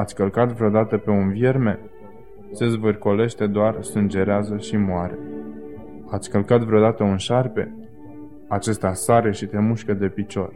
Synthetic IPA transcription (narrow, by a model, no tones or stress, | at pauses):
at̪sʲkəlkat̪vɾeod̪at̪əpe̞unvje̞rme̞ | se̞zvɨrko̞le̞ʃt̪e̞d̪oarsɨnd͡ʒe̞ɾeazəʃimoaɾe | at̪sʲkəlkat̪vɾeod̪at̪əunʃarpe̞̰ | at͡ʃe̞st̪asaɾe̞ʃit̪e̞muʃkəd̪e̞pit͡ʃo̞̰r